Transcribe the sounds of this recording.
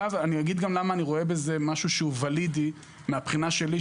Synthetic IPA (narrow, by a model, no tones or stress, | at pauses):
avanijaɡid̪ɡamlamaːniʁo̞e̞be̞ze̞maʃuʃeuvalidi | meapχinaʃe̞li